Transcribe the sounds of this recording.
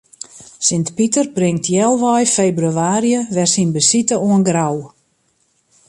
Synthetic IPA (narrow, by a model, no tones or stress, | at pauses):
sɪntpitərbrɪŋtʰjɛlˠʋɔjfejbryaːɾijəʋɛrsinbəsitəuənɡraw